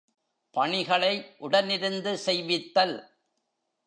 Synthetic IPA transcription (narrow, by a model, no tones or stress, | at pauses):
pɐɳɪɣɐɭɐɪʔʊɽɐnɪɾɯnd̪ɯsɛjʋɪt̪ːɐl